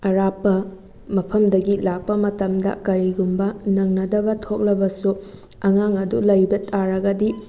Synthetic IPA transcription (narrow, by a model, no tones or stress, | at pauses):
ɐɾapːɐ | mɐpʰɐmdɐɡilak̚pɐmɐtɐmdɐ̰kɐɾiɡumbɐnɐŋnɐdɐbɐtʰok̚lɐbɐsu | ɐŋaŋɐdulɐjbɐtaɾɐɡɐdi